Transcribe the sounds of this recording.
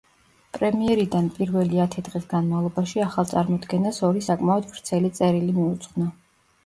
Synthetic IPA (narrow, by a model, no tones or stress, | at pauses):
pʼɾɛmiɛɾid̪anpʼiɾvɛliat̪ʰɛd̪ʁʼisɡanmalˠɔbaʃiaχalˠt̪sʼaɾmɔd̪ɡɛnasɔɾisakʼmaɔd̪vɾt̪sʰɛlit̪sʼɛɾilimiut̪sʼqʼna